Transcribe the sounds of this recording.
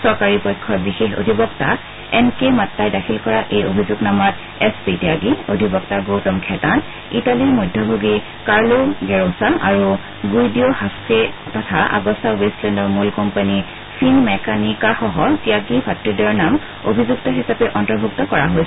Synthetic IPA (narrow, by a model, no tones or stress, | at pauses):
sɔɹkaɹipɔjkʰːɔbixexo̰dʱibɔkta | ɛnkematːajdakʰilkɔɹaʔejobʱizuɡnamɔt | ɛspitiaɡiodʱibɔktaɡowtɔmkʰɛtan | italimɔjdʱɔbʱoɡi | kaɹloɡɛɹõsaʔaɹu | ɡujdiohasketɔtʰaʔa̰ɡɔsaweslɛndɔɹmulkɔmpani | fʰinmɛkanikaxɔɦɔziaɡibʰʱatːudɔɹnam | obʱizuk̚tɔɦisapɛʔɔntɔɹbʱuktɔkɔɹaɦojs